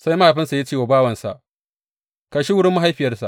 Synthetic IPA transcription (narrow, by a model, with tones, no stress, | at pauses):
sa˦jma˦ha˨ɸɪ˦nsa˨ja˦t͡ʃeː˦˨wa˨baː˦wɐ˨nsa̰˨ʔ | kɐ˨ʃi˦wʊ˦ɽɪ˦mːʊ˦ɦa˦jɸɪ˨jɐ˦rsa˨ʔ